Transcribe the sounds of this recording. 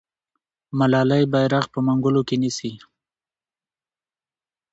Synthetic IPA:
malɑlajbajɾaxpəmaŋɡʊlokenisi

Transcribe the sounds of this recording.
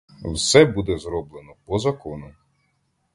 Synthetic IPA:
wsɛbud̪ɛzɾɔblˠenɔpɔzɐkɔnʊ

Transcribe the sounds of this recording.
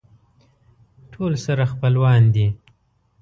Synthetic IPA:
ʈʰolsaɾaxpəlwɑnd̪i

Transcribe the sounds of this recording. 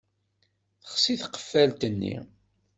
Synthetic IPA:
θəχsiθqə̥fːælt̪ənːḭ

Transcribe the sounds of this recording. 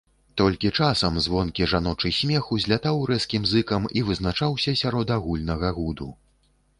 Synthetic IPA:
t̪ɔlʲkʲit͡ʂasɐmzvɔnkʲiʐanɔt͡ʂɨjsʲmʲɛxuzʲlʲat̪awɾɛskʲimzɨkɐmivɨznat͡ʂawsʲɐsʲaɾɔd̪aɣulʲnɐɣɐɣud̪u

